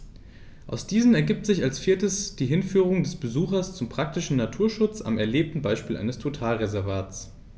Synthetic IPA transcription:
ʔa̰ʊsd̥iːzən̩ɛɐɡiːp̚tz̥ɪçalsfiɐtəsd̥iːɦɪnfyːʁʊŋdɛsb̥əzuːxɐst͡sʊmpʁ̥ak̚tɪʃn̩natʰuːɐʃʊt͡sa̰mɛɐleːp̚tn̩baɪʃpiːlʔa̰ɪnəstʰotʰaːlʁezɛɐvaːtt͡s

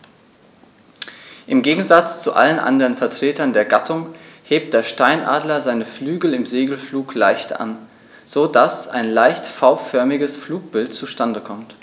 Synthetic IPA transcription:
ʔɪmɡeːɡŋ̩zat͡st͡suʔa̰lənʔa̰ndəʁənfɛɐtʁ̥eːtɐndeːɐɡatʰʊŋheːp̚t̚d̥eːɐʃtaɪnʔa̰ːdlɐzaɪnəflyːɡl̩ɪmzeːɡl̩fluːklaɪçtʔa̰n | z̥oːdasa̰ɪnlaɪçtfaʊfœɐmɪɡəsfluːk̚b̥ɪltt͡suʃtandəkʰɔmt

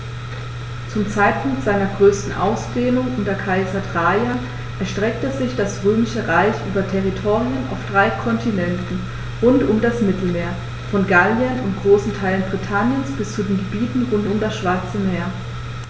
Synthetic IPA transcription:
t͡sʊmt͡saɪt̚pʰʊŋktz̥aɪnɐɡʁøːstn̩ʔa̰ʊsd̥eːnʊŋʔʊntɐkʰaɪzɐdʁajan | ʔɛɐʃtʁ̥ɛk̚təzɪçd̥asʁøːmɪʃəʁaɪçʔyːbɐtʰɛʁitʰoːʁijəna̰ʊfd̥ʁaɪkʰɔntʰinɛntn̩ | ʁʊntʊmdasmɪtl̩meːɐ | fɔnɡaljənʊntɡ̥ʁoːsn̩tʰaɪlənbʁitʰanjənsb̥ɪst͡sudeːnɡəbiːtn̩ʁʊntʊmdasʃv̥aɐt͡səmeːɐ

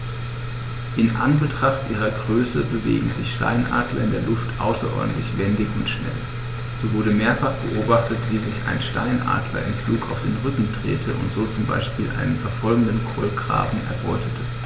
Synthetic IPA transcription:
ʔɪnʔa̰nbətʁ̥aχtʔiːʁ̞ɐɡʁøːsəbəvḛːɡŋ̩zɪçʃta̰ɪnʔa̰ːdlɐ̰ɪndeːɐlʊftʰʔa̰ʊsɐʔɔ̰ɐdn̩tlɪçvɛndɪçʊntʃnɛ̰l | z̥oːvʊɐɾəmeːɐfaχb̥əʔoːbaχtətv̥iːzɪçʔa̰ɪnʃtaɪnʔa̰ːdlɐ̰ʔɪ̰nfluːkaʊfd̥eːnʁʏkŋ̩dʁḛːtʰəʔʊ̰ntz̥oːt͡sʊmba̰ɪʃpiːlʔa̰ɪnənfɛɐfɔlɡŋ̩dənkʰolɡʁ̥a̰ːbm̩ʔɛ̰ɐbɔ̰ʏtʰətʰə

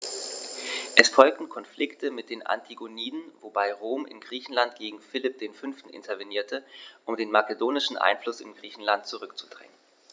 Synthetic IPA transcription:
ʔɛsfɔlk̚tn̩kʰɔnflʔɪktʰəmɪt̚d̥eːnʔa̰ntʰiɡoniːdn̩vobaɪʁoːmʔɪ̰nɡʁiːçn̩lantɡ̥eːɡŋ̩fɪlɪp̚d̥eːnfʏnftn̩ʔɪ̰ntʰɐveniːɐtʰəʔʊmdeːnmakədoːnɪʃn̩ʔa̰ɪnflʊsɪ̰nɡʁiːçn̩lant̚t͡suʁʏkt͡su̥d̥ʁɛ̰ŋən

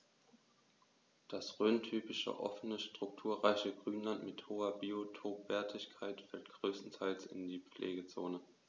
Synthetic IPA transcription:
d̥asʁøːntʰyːpɪʃə̰ʔɔ̰fənəʃtʁ̥ʊk̚tʰuːɐʁaɪçəɡʁyːnlantmɪthoːɐbiotʰoːpv̥ɛɐtʰɪçkʰaɪtfɛlt̚ɡ̥ʁøːstn̩tʰaɪlsɪ̰ndiːp͡flʔḛːɡət͡so̰ːnə

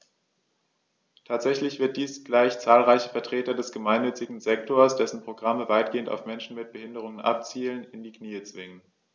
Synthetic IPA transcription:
tʰaːtz̥ɛçlɪçv̥ɪɐt̚d̥iːsɡ̥laɪçt͡saːlʁaɪçə̥fɛɐtʁ̥eːtɐdɛsɡ̥əmaɪnːʏt͡sɪɡŋ̩zɛk̚toɐsd̥ɛsn̩pʁ̥oɡʁaməvaɪt̚ɡ̥eːənta̰ʊfmɛnʃn̩mɪt̚b̥əhɪndəʁ̞ʊŋənʔa̰p̚t͡siːlənɪndiːkniːət͡sv̥ɪŋən

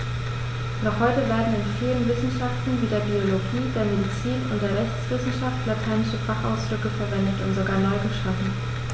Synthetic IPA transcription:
nɔχhɔʏtəveːɐdn̩ɪnfiːlənvɪsn̩ʃaftn̩viːdeːɐbioloɡiːdeːɐmedit͡siːnʊntd̥eːɐʁɛçt͡sv̥ɪsn̩ʃaftlatʰaɪnɪʃəfaχʔa̰ʊsd̥ʁʏkəfɛɐvɛndətʊntz̥oɡaːɐnɔʏɡəʃafn̩

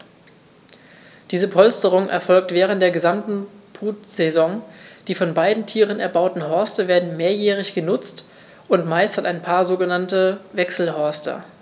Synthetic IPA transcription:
d̥iːzəpʰɔlstəʁ̞ʊŋʔɛ̰ɐfɔlk̚tv̥ɛːʁ̞əntd̥eːɐɡəzamtn̩b̥ʁuːtz̥ezɔŋd̥iːfɔnbaɪdn̩tʰiːʁənɛɐbaʊtn̩ɦɔɐstəveːɐdn̩meːɐjɛːʁɪçɡ̥ənʊt͡st | ʔʊntmaɪsthataɪnpʰaːɐzoːɡənantəvɛksl̩ɦœɐstɐ̰

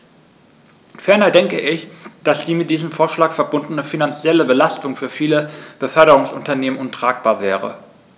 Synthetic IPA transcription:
fɛɐnɐdɛŋkəʔɪçd̥asd̥iːmɪt̚d̥iːzəmfoːɐʃlaːkfɛɐbʊndn̩əfinant͡sjɛləbəlastʊŋfyːɐfiːləb̥əfœɐɾəʁʊŋsʔʊntɐneːmənʔʊntʁ̥aːk̚b̥aːɐvɛːʁə̰

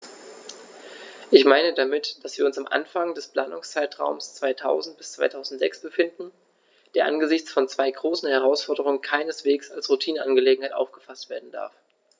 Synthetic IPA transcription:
ʔɪçmaɪnədamɪtd̥asv̥iːɐʊnsamʔa̰nfaŋdɛspl̥aːnʊŋst͡saɪtʁ̥a̰ʊmst͡sv̥aɪtʰaʊzn̩t̚b̥ɪ̥st͡sv̥aɪtʰaʊzn̩tz̥ɛksb̥əfɪndn̩ | d̥eːɐʔa̰nɡəzɪçt͡sfɔnt͡sv̥aɪɡʁoːsn̩hɛʁ̞aʊsfɔɐdəʁʊŋənkʰaɪnəsv̥eːksalsʁutʰiːnənanɡəleːɡŋ̩haɪtʔa̰ʊfɡ̥əfastv̥eːɐdn̩d̥a̰ɐf

